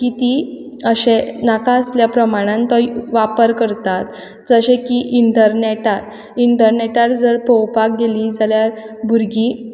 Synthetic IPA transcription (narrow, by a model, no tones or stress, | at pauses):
kit̪i | əɕẽnakaəsljapɾəmaɽ̃ãnt̪ɔiʋapəɾkəɾt̪at̪ | d͡zəɕẽkiʔiɳʈəɾnɛʈaɾ | iɳʈəɾneʈaɾd͡zəɾpɔwpak̚ɡelid͡zaljaɾbʱuɾɡi